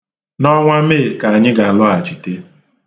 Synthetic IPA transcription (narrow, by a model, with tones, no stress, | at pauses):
nɔ˦ŋʷa˦me˦˨ka˨a˨ɲɪ˦ɡa˨a˨lʊ˦a˨t͡ʃi˨te˦